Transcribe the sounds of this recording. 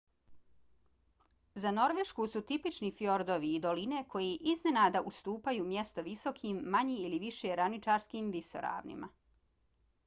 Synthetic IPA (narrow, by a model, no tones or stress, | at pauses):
zano̞ɾʋeʃkusut̪ipit͡ʃnifjo̞ɾd̪o̞ʋiːd̪o̞line̞kʰo̞jiʔizne̞naːd̪aʔust̪uːpajuːmje̞st̪o̞ʋiso̞kʰiːmːaɲiiliʋiʃeɾanit͡ʃaːɾskiːmʋiso̰ɾa̰ːʋnḭma̰